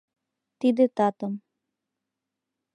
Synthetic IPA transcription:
t̪id̪ɘ̆t̪ɑt̪ɤ̆m

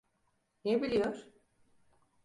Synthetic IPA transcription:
nebilʲijoɾ̥

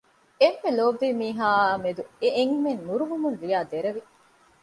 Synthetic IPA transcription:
emːeloːʋːiːmiːɦaːmed̪ueʔeŋmennuɾuʋumunlijaːd̪eɾɐʋi

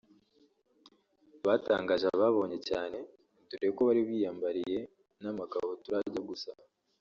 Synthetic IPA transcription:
βata̰ːŋɡaːʒaβaβo̞ːɲe̞caːne̞ | tuɾeekoβaɾiβiːjaːmbaɾije̞ | namaka̰hotuɾaɟaɡusa

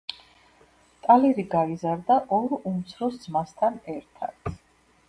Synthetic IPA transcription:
t̪ʼalɛɾiɡaizaɾd̪aʔɔɾumt̪sʰɾɔsd̪zmast̪ʰanɛɾt̪ʰa̰d̪ʰ

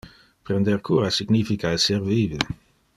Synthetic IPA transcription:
pɾend̪eɾkʰuːɾasiɡnifikaeserviːvi

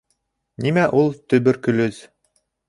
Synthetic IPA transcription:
nimæʔulˠt̪ɵ̆bɵɾkɵ̆lɵz

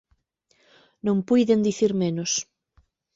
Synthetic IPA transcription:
nõŋpujðend̪iθiɾmenʊs

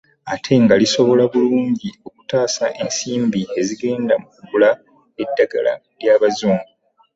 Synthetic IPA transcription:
atʰe̞ŋɡaliso̞βo̞laβuluːɲɟio̞ku̥taːsaʔe̞nsiːmbie̞ziɡe̞ːndamukuβula | e̞dːaɡa̰la̰ | ljaːβazuːmɡu

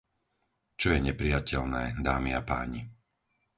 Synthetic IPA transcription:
t͡ʃɔjɛɲɛpɾijacɛʎnɛːd̪aːmiapa̰ːɲi

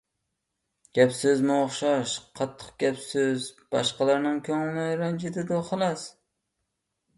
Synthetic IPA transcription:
ɡ̥ʲæpsɪzmʊoχʃɑʃqʰɑt̪ʰːɨ̥q̚ɡ̥ʲæpsɪzb̥ɑ̰ʃqɑlˠɑɾnɪŋkʲʰɵŋlɪnɪɾand͡ʒɪd̪ɪd̪ʊχɑlˠɑs

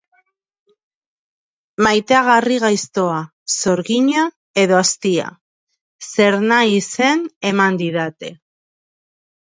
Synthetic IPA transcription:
majt̪eaɣ̞ariɣ̞ajst̪o̞a | so̞ɾɣiɲa | e̞ðo̞ast̪ia̰ | se̞ɾnaise̞ne̞mand̪iðat̪e̞

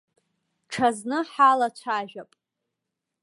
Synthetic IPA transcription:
ʈ͡ʂʰaznɨħalat͡ʃʷʰaːʒᶣapʼ

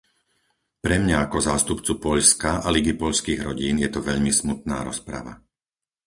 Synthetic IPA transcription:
pɾɛmɲaakɔzaːst̪upt͡supɔʎskaaliɡipɔʎskiːɣɾɔɟiːnjɛt̪ɔʋɛʎmismut̪̚na̰ːɾɔspɾa̰ʋa̰

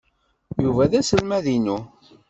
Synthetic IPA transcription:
juvæðæsəlmæðinu

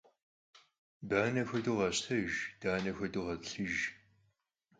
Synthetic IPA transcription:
baːnɐxʷɐduːʁɐɕtʰɐʒd̥aːnɐxʷɐduʁɐtɬɨʒ

